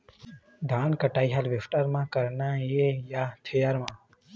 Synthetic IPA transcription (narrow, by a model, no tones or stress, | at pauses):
d̪ʱãnkəʈaiɦalʋefʈaɾmãkəɾnaejat̪ʰəjaɾmã